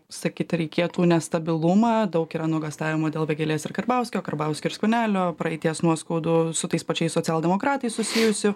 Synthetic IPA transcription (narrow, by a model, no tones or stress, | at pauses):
sɐkʲiːt̪ɾʲɛɪkʲeːt̪uːnʲɛst̪ɐbʲɪlˠʊmɑːd̪ɐʊkiːɾɐnuɡɐst̪ɑːʋʲɪmod̪ʲeːlˠʋʲɛɡʲelʲeːsɪɾkɐrbɐʊsʲkʲoːkɐɾbɐˑʊsʲkʲoːɪɾsʲkʲʊnʲæːlʲoːpɾɐɛɪt̪ʲiɛsnuɔskɐʊd̪ʊsʊt̪ɐɪspɐt͡ʃʲɛɪsoːt͡sʲɛlˠd̪ʲɛmoːkɾɑːt̪ɐɪssʊsʲijʊsʲʊ